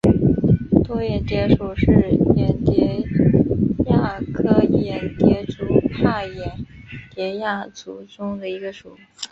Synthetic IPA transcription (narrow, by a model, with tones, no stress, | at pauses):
t̪wɔ˥jɛ˧˩t̪jɛ˧˥ʂu˨˩ʂɻ̩˥˩jɛ˧˥nt̪jɛ˧˥ | ja˥˩kʰɤ˥jɛ˧˩t̪jɛ˧˥ʈ͡ʂu˨˩tʰa˥˩jɛ˧˥nt̪jɛ˧˥ja˥˩t͡su˧˥ʈ͡ʂʊ˥ŋd̪ə˨i˧˥ɡə˧ʂu˨˩